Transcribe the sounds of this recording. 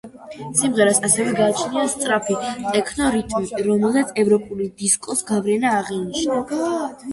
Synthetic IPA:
simʁɛɾasasɛvɛɡaːt͡ʃʰniast̪sʼɾapʰit̪ʼɛkʰnɔɾit̪ʼmiiɾɔmɛlˠzat̪sʰɛvɾɔpʼulid̪iskʼɔsɡavɾɛnaːʁiniʃna

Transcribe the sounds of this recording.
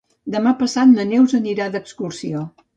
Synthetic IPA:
d̪əmapəsat̪̚mənewzəniɾaðəkskursio

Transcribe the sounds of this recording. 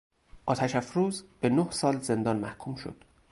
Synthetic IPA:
ʔɒːt̪ʰæʃæfɾuːzb̥enohsɒːlze̞nd̪ɒːnmæhkʰuːmʃo̰d̪̥

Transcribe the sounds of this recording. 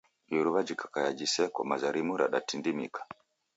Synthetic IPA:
juɾuβad͡ʒikʰḁkajad͡ʒisɛkɔmazaɾimuɾa̰ɗatindimḭkḁ

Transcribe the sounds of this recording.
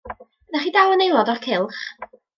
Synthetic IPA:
naχiːdawənejlˠɔdɔrkʰɪlˠχ

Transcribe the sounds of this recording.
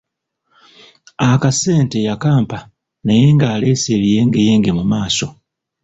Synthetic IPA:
akase̞ːnte̞jakaːmpa | naje̞ːŋɡaːle̞ːseːβije̞ːŋɡeje̞ːŋɡe̞mumaːso̞

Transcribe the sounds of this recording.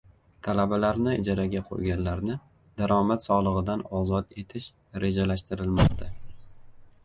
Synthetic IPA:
t̪ʰalabalaɾnɪɪd͡ʒaɾaɡʲaqʰo̰jɡʲanlaɾnɪ | d̪̥aɾɒmat̪sɒlˠɨʁɨd̪anɒzɒt̪e̞t̪ʰɪʃ | ɾe̞d͡ʒalaʃt̪ɪɾɪlmɒqt̪ʰa

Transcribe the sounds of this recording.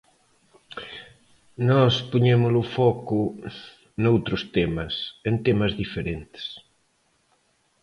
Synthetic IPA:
nɔspoɲemʊlʊfɔkʊ | nowt̪ɾʊst̪emɐsent̪emɐzðifeɾent̪ɪ̥s

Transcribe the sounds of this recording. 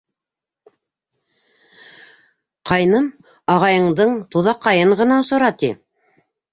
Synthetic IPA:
qɑjnɤm | ɑʁɑjɤ̆ɴd̪ɤɴt̪uðɑqːɑjɤɴʁɤ̆nɑŏsŏɾɑt̪i

